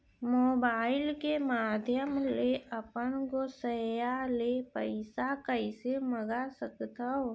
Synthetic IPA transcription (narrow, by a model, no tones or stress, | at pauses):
moːbaːɪlkemaːd̪ʱjəmleəpənɡosəjalepəɪsakəɪseməɡasəkt̪əo